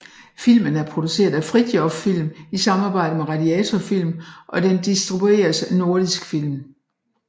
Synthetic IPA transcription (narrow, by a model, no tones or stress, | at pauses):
fil̰mənæɐpʰʁo̝d̥use̝̰ːɐðˠæfʁid̥jɒffil̰misɑ̈mɑ̈ːb̥ɑ̈ɪ̰d̥əmeʁɑ̈diɛt͡sʰɒfil̰mʔɒ̽d̥end̥isd̥ʁibue̝̰ːɐsno̝ɐdisɡ̥fil̰m